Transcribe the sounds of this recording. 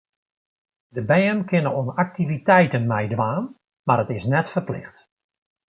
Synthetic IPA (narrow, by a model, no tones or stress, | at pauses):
dəbɛːnkɪnəonak̚tivitɛjtənmɛjdʋaːn | maɾətɪsnɛtfərplɪ̰xt